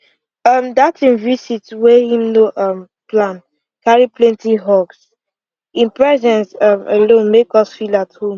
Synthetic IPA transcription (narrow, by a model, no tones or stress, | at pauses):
ʌmdatĩnvisitwɛhĩmnoʔʌm | plãn | kaɹiplɛ̃ntiɦɔks | ĩnpɹɛzɛ̃nsʌmə̰lõnmekɔsfilathõm